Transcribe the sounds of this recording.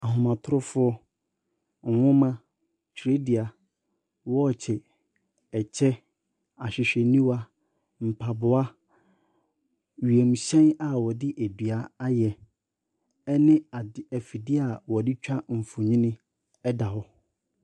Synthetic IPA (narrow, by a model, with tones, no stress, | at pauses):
a˨ɦʊ̃˨mã˨tʰʊ˦ɾʊ˦fʊ˦ɔ˦ | ŋ̩˨wʊ̃˦mã˦ | t͡ɕʰe˦dɪ˨a˨ | wɔ˦˨t͡ɕʰɛ˨ | ɛ˨t͡ɕʰɛ˦ | a˨ɕᶣɪ˨ɕᶣɛ˨nĩ˦wa˦ | m̩˨pʰa˨bʊ˨a˦ | ɥi˨e˨mũ˨ɕɛ̃˦na˨wɔ˨dɪ˦ʔæ˨di˨a˨a˦jɛ˨ | ɛ˦nɪ̃˦a˨ɛ˨fi˨dɪ˦a˨wɔ˨dɪ˦t͡ɕᶣa˦m̩˨fʊ˨ɲĩ˦nɪ̃˦ | ɛ˦da˨hɔ˦